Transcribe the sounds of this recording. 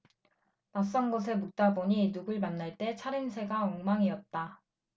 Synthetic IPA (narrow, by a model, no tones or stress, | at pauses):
mas̬͈ʌnɡos̬ʰe̞muk̚t͈aboɲinuɡɯɭmanːaɭt͈e̞t͡ɕʰaɾɯnsʰe̞ɡaʌŋmaŋiʌt̚t͈a